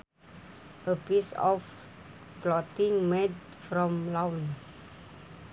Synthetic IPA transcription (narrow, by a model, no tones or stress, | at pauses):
ʔəpisɔ̰f | plɔtĩŋmɛd | fɾɔ̃mlawn